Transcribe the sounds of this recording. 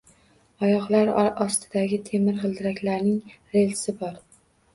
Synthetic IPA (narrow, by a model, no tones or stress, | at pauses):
ɒjɒʁlˠaɾɒst̪ʰɪd̪aɡʲɪt̪ʰe̞mɪɾʁɨlˠd̪ɪɾakʲlaɾnɪŋ | ɾe̞lsɪbɒɾ